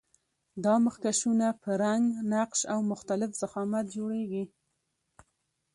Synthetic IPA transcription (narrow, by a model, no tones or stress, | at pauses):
d̪ɑməxkaʃunapəɾaŋɡnaqʃawmʊxt̪alɪfz̥axɑmat̪̚d͡ʒoɽeɡi